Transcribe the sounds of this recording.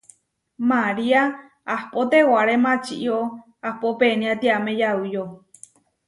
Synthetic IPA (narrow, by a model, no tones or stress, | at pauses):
maɾia | ahpot̪ewaɾemãt͡ʃḭʔio | ahpopenĩãt̪iamẽjaɨjo